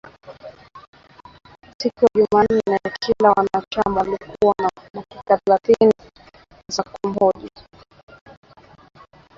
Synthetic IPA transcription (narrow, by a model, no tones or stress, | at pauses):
sikɔjaʄuman̩ːɛnɛakʰilawanat͡ʃamalikʰuwanamwakaθɛθɛlaθini | zakɔm̩hɔʄi